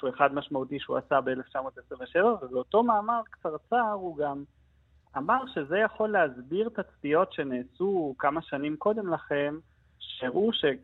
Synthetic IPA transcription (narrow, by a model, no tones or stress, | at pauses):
ueχad̪maʃmautiʃeuasabeeleft͡ʃamo̞t̪esʁiveʃevavebeoto̞maːmaʁkt͡saʁt͡saʁuɡam | amaʁʃe̞ze̞jaχo̞lːeazbiʁt̪at͡stijo̞tʃe̞neːsukamaʃanimko̞d̪e̞mlaχe̞m | ʃeʁuʃe̞